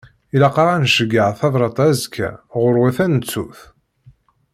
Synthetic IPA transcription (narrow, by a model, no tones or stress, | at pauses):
ilɑqɾˤɑnʃəɡːəʕθɑðˤɾˤɑt̪ˤæzkʰːæ̰ʁʊɾwæθænət͡sːuθ